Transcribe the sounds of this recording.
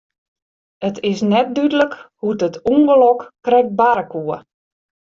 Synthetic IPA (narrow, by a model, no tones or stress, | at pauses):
ətɪsnɛt̚dydələkhudətuŋɡəlɔkkrɛk̚baɾəkuə